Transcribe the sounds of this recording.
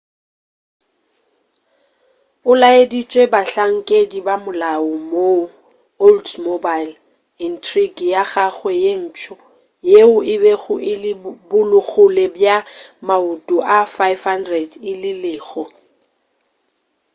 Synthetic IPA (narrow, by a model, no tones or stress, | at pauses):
ʊlaedit͡ʃʼwebaɬaŋ̩kʼedibamʊlaɔmo | oldmobajl | intʰriɡjaɣaɣwɛjen̩ːt͡ʃʼɔ | jeʊɪbɛɣʊʔɪlɪbʊlʊɣʊlɛbjamaʊtʼʊʔafajfhandrɛdɪlɪlɪːɣɔ